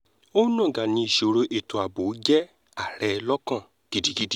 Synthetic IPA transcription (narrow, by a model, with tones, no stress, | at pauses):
o˦nɔ̃˦˨ɡa˨nĩ˧i˨ʃo˨ɾo˧ʔe˨to˨a˨bo˨˦d͡ʒɛ˦ | a˦˨ɾɛ˧˨lɔ˦kã˦˨ | ɡ̥i˦di˧ɡi˦di˦